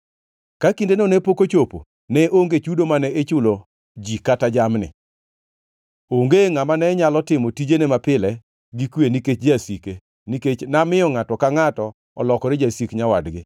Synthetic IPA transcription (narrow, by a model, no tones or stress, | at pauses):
kakindenonepokot͡ʃopo̰ | nɛʔoŋɡet͡ʃudomanɛet͡ʃʊlo | d͡ʒikatad͡ʒamnɪ̰ | oŋɡeŋamanɛɲalɔtɪmɔtid͡ʒenemapɪlɛ | ɡikweniket͡ʃd͡ʒasike | niket͡ʃnamɪɔŋatɔkaŋatɔ | ɔ̰lɔkɔɾɪd͡ʒasikɲawadɡɪ̰